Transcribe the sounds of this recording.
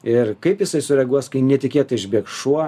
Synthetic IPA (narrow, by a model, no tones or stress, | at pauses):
ɪrkɐɪpjɪsɐɪsʊɾʲɛɡuɔskɐɪnʲɛt̪ʲɪkʲiɛt̪ɐɪʒʲbʲiɛk̚ʃuɔ